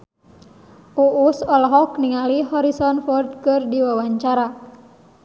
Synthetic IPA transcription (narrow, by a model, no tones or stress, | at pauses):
ʔuʔusɔlɦɔkniŋaliɦɔɾisɔnfɔrt̪̚kɨrdiwawaɲt͡ʃaɾa